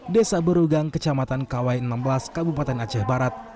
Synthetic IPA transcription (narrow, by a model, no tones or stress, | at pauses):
desabəɾuɡaŋkət͡ʃamat̪ankawajənambəlaskabupat̪ɛnad͡ʒahbaɾat̪̚